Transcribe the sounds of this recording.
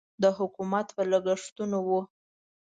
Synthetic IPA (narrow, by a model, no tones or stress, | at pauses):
d̪əɦʊkumat̪pələɡəʂt̪unowu